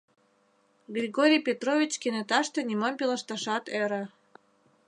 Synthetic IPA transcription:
ɡrʲiɣoɾʲijpʲet̪rovʲit͡ɕkenet̪ɑʃt̪ĕnʲimompiləʃt̪ɑʃɑt̪eɾə̆

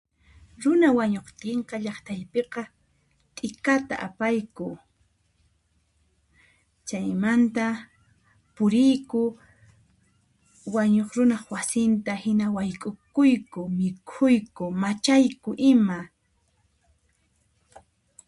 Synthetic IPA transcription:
ɾʊnawaɲoχt̪ɪɴqɑʎɑχt̪ajpeqɑ | t̪ʼɪkat̪a̰ʔapajkʊ | t͡ʃajmant̪a | pʊɾɪjkʊ | waɲoχɾʊnɑχwasɪnt̪ahɪnawajkʼʊkʊjkʊmɪkʰʊjkʊmat͡ʃajkʊʔɪma

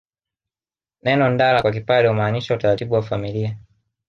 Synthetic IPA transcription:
nɛnɔndalakwak̬ipaɾɛumaːniʃautaɾatiɓuwafamilia

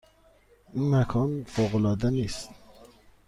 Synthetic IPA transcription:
inmækʰɒːnfoɣolɑːd̪æniːst̪

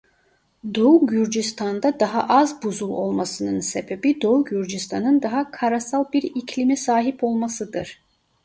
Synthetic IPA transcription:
d̪o̞uɟyɾd͡ʒist̪ʰand̪ad̪aɦa̰ʔazbuzulˠo̞̰lˠmasɯnɯnse̞be̞bid̪o̞uɟyɾd͡ʒist̪ʰanɯnd̪aɦakʰaɾasalˠbiɾicʰlʲimisaːɦipʰo̞lˠmasɯd̪ɯɾ̥

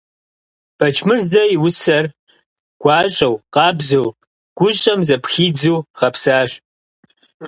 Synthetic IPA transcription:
b̥ɐt͡ʃʰmɨrzɐjiwʊsɐr | ɡ̥ʷɑːɕʼɐwqɑːbzɐw | ɡ̥ʷʊɕʼɐmzɐpxiːd͡zuːʁɐpsaːɕʼ

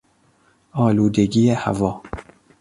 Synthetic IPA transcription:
ɒːluːd̪eɡieha̰vɒː

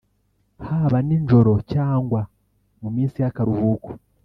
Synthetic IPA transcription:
haːβaniɲʒo̞ɾo̞caːŋɡwa | mumiːnsijakaɾuβuːku̥

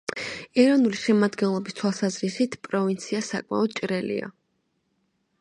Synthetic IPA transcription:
ɛɾɔnuliʃɛmad̪ɡɛnlˠɔbist̪ʰwalˠsazɾisit̪ʰpʼɾɔvint̪sʰiasakʼma̰ɔd̪t͡ʃʼɾɛlḭa̰

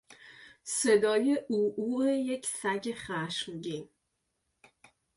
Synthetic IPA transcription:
sed̪ɒːjeʔuːʔuːejecʰsæɟeχæʃmɡin

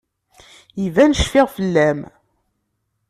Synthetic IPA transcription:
ivænəʃfɪʁfəlːæm

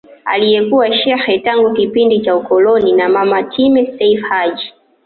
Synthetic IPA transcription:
a̰lijɛkuwaʃɛxɛtaŋɡukipindit͡ʃaukɔlɔninamamatʰimɛsɛifhad͡ʒi

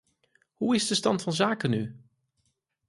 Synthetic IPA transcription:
huɪzdəstɑntfɑnzaːkəny

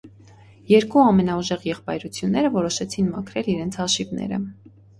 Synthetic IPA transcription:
jɛɾkuɑmɛnɑuʒɛʁjɛχpɑjɾut͡sʰjunːɛɾəvɔɾɔʃɛt͡sʰinmɑkʰɾɛliɾɛnt͡sʰhɑʃivnɛ̰ɾə̰

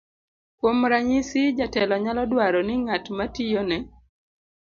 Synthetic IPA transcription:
kwomɾaɲɪsɪd͡ʒatɛlɔɲalɔdwaɾɔnɪŋatmatijonɛ

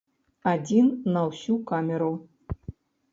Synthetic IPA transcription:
adʲinːɐwsʲukamʲeɾu

